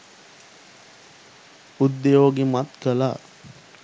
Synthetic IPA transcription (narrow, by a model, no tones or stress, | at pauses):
ud̪ːejoːɡemat̪kəla̰